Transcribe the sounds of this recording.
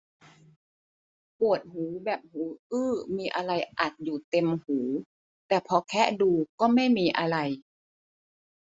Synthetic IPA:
pu˨˩ə˩t̪̚huː˩˦bɛː˨˩p̚huː˩˦ʔɯː˧˩miː˧ʔa˧ɾa˧jʔa˨˩t̪̚juː˨˩t̪e˧mhuː˩˦ | t̪ɛː˨˩pʰɔ˧kʰɛ˦˥ʔduː˧kɔː˥˩ma˥˩jmiː˧ʔa˧ɾa˧j

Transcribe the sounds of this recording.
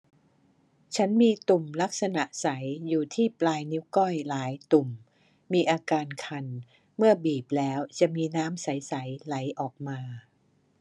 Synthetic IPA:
t͡ɕʰa˦˥nmiː˧t̪u˨˩mla˦˥k̚sa˧na˨˩ʔsa˩˦jjuː˨˩t̪ʰiː˥˩plaː˧jni˦˥wkɔ˥˩jlaː˩˦jt̪u˨˩m | miː˧ʔaː˧kaː˧nkʰa˧n | mɯ˥˩ɐbiː˨˩p̚lɛː˦˥wt͡ɕa˨˩ʔmiː˧naː˦˥msa˩˦jsa˩˦jla˩˦jʔɔː˨˩k̚maː˧

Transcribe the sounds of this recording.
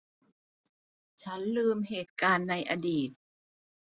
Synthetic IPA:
t͡ɕʰa˦˥nlɯː˧mheː˨˩t̪̚kaː˧nːa˧jʔa˧diː˨˩t̪̚

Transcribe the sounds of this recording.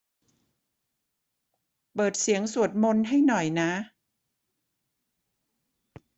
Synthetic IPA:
pɤː˨˩t̪̚si˩˦əŋsu˨˩ət̪̚mo˧nɦa˥˩jnɔ˨˩jna˦˥

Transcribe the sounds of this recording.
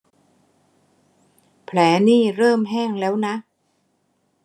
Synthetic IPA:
pʰlɛː˩˦niː˥˩ɾɤː˥˩mɦɛː˥˩ŋlɛː˦˥wna˦˥

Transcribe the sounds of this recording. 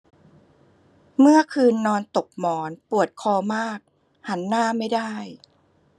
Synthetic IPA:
mɯ˥˩əkʰɯː˧nːɔː˧nt̪o˨˩p̚mɔː˩˦npu˨˩ət̪̚kʰɔː˧maː˥˩k̚ | ha˩˦nːaː˥˩ma˥˩jdaː˥˩j

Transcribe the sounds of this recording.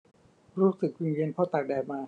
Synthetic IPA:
ɾuː˦˥sɯ˨˩k̚wi˧ŋje˧˨npʰɔː˥˩t̪a˨˩k̚dɛː˨˩k̚maː˧

